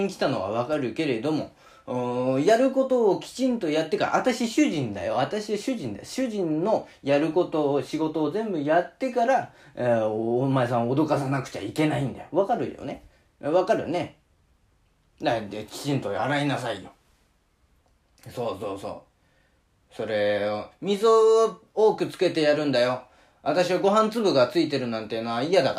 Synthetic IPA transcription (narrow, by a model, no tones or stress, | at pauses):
ɲkʲi̥t̪ano̞βa̰β̞akaɾɯ̟ke̞ɾe̞d̪o̞mo̞̰ | ɯ̃jaɾɯ̟ko̞t̪o̞ːkʲi̥t͡ɕĩnt̪o̞jat̪ːe̞ka̰ɾa̰βat̪aɕiɕɨʑĩnd̪a̰jo̞̰βat̪aɕiβaɕɨʑĩnd̪a̰ɕɨʑĩnːo̞jaɾɯ̟ko̞t̪o̞ːɕiɡo̞t̪o̞ːzẽ̞mbɯ̟jat̪ːe̞kaɾa | omaes̬ãɰ̃od̪o̞kas̬anakɯ̟̥t͡ɕa̰ike̞naĩnd̪a̰joβakaɾɯ̟̰jo̰ne | βakaɾɯ̟̰ne̞ | d̪ad̪ekʲi̥t͡ɕĩnt̪o̞aɾainasaijo | so̞ːso̞ːso̞̰ː | so̞ɾe̞omʲizo | oːkɯ̟t͡sɨ̥ke̞t̪e̞jaɾɯ̟̃nd̪ajo̞ | βat̪aɕiβaɡo̞ɦãnt͡sɨbɯɡat͡sɨit̪e̞ɾɯ̟nãnt̪e̞jɯnoaijad̪ak